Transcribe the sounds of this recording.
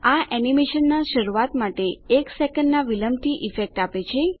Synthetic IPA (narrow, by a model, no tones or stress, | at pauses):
aʔɛnimeʃənːaʃəɾuat̪maʈeeksɛkəɳɖnaʋiləmt̪ʰiʔifek̚ʈapet͡ʃʰe